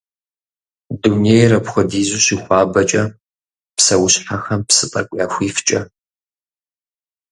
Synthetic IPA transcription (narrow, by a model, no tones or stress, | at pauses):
dunejrɐpxʷʊdiːzʷuɕixʷɑːbɐt͡ʃʼɐ | psɐwʊɕħaxɐmpsɨtʼɐkʷʼjaːxʷiːft͡ʃʼɐ